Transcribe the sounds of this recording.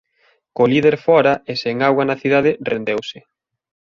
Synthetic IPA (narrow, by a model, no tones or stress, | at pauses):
koliðeɾfɔɾɐeseŋawanaθiðað̞ɪrend̪ewsɪ